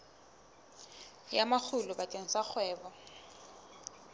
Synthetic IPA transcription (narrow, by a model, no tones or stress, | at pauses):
jamak͡xʰʊlʊbatʼeŋ̩sak͡xʰwɛːbɔ